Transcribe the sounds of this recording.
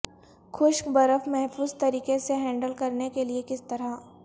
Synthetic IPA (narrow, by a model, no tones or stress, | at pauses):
xʰʊʃbɐɾəfmɛɦfuːzt̪ɐɾiːkeseɦɛ̃ːɳɖəlkɐɾnekeliekɪst̪ɐɾa